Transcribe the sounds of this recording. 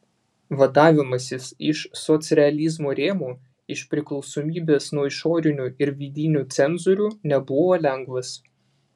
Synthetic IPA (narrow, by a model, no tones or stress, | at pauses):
ʋɐd̪ɑːʋʲɪmɐsʲɪsɪʃsɔt̪sʲɾʲɛɐlʲizmoːɾʲeːmuː | ɪʃʲpʲɾʲɪklˠɒʊsoːmʲiːbʲeːsnuɔɪʃɔːɾʲɪnʲuɪɾʋʲiːd̪ʲinʲuːt̪sʲɛnzʊɾʲuːnʲɛbʊʋoːlʲɛŋɡʋɐs